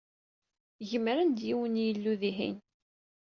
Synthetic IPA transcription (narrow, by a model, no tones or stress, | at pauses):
ʝəmɾənd̪jiwənjəlːuðiɦḭn